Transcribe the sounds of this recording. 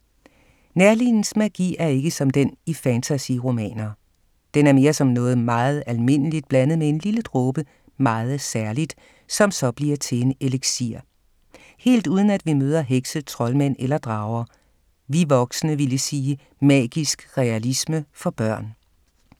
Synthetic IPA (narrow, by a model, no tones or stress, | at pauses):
næɐlinn̩smæɡ̥ḭːæɐe̝ɡ̥əsɒ̽md̥enifænt͡sʰæsiʁo̝mɛ̰ːnɐ | d̥enæɐme̝ːɐsɒ̽mnɔ̽ːð̞̩ˠmɑ̈ːð̞̩ˠælme̝n̰əlid̥̚b̥lænəð̞̩ˠmee̝nliləd̥ʁɔːb̥ə | mɑ̈ːð̞̩ˠsæɐlid̥ | sɒ̽msɒ̽b̥liɐt͡sʰe̝eneleɡ̥sḭɐ | he̝̰ːld̥uːðˠən̩æd̥ʋimøːð̞ˠɐɦeɡ̥sət͡sʰʁɒ̽lmæn̰elɐd̥ʁɑ̈ʊɐ | ʋiʋɒ̽ɡ̥sənəʋiləsiː | mɛ̰ːɡ̥isɡ̥ʁɛælisməfɒ̽b̥ɶɐ̰n